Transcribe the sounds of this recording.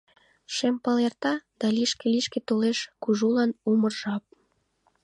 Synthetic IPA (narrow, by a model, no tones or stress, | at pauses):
ʃempɑlert̪ɑd̪̥ɑliʃkeliʃket̪oleʃkuʒulɑnumərʒɑp̚